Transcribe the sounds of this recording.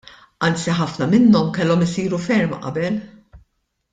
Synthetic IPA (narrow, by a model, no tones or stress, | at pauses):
ʔɐnt͡siħɐfnɐmɪnːɔmkɛlːɔmɪsiːɾufɛɾmʔɐ̰bɛl